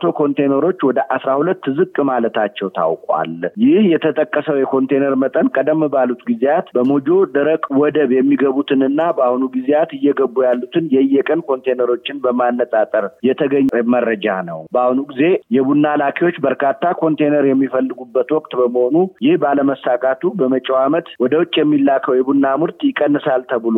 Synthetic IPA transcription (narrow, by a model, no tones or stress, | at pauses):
t̪ʰo̞kʰo̞nt̪ʰejnəɾo̞t͡ʃːwɔd̪əʔasɾahulətt̪ːɨzɨkʼmalət̪ʰat͡ʃːɛwt̪ʰa̰wkʼwa̰ljɪhjɛt̪ʰət̪ʼəkʼːəsəwjɛkʰo̞nt̪ʰejnəɾmət̪ʼənkʼəd̪əmːɨbalut̪ɡizejat̪bəmod͡ʒo̞d̪əɾəkʼwɔd̪əβjɛmːiɡəβut̪ʰɨnɨnːabahunuɡizejat̪ɨjːɛɡəbːujalːut̪ʰɨnjɛjːɛkʼənkʰo̞nt̪ʰejnəɾo̞t͡ʃːɪnbəmanːət̪ʼat̪ʼəɾjɛt̪ʰəɡəɲːməɾːəd͡ʒa̰nəwbəahnuɡize̞jɛbunːalakʰiwo̞t͡ʃːbəɾkʰat̪ːakʰo̞nt̪ʰejnəɾjɛmːifəlːɨɡubːət̪wɔkʼt̪ʼbəməho̞nujɪhbaləməsakʼat̪ʰubəmət͡ʃʼɛwamət̪wɔd̪əwʊt͡ʃʼːjɛmːilːakʰəwjɛbunːamɨɾt̪jɪkʼːənːɨsalt̪ʰəβɨlo